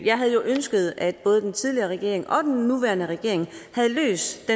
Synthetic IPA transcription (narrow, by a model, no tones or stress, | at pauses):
jɑ̈ɪɦæð̞ˠjo̝ʔønsɡ̥əð̞̩ˠæd̥b̥ɔ̽ːð̞̩ˠdent͡sʰiðˠliɐʁɛɡ̥e̝̰ɐ̰e̝ŋʔɒ̽d̥enːuʋæɐnəʁɛɡ̥e̝̰ɐ̰e̝ŋhæð̩ˠlø̰ːsd̥d̥e